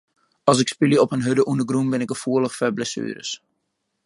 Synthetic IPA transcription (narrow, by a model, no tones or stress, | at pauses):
ɑlˠs̬ɪkspiljəɔphənɦødəʔundəɡrumbɪnɪkəfuələχfɛblɛsy̰ːɾə̰s